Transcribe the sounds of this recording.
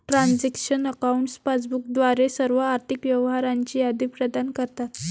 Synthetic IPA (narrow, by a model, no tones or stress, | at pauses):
ʈɾand͡zikɕənəkauɳʈspat͡sbuk̚d̪ʋaɾesəɾʋəaɾt̪ʰikʋjɛʋɦaɾaɲt͡ɕiːad̪ʱipɾəd̪ankəɾt̪at̪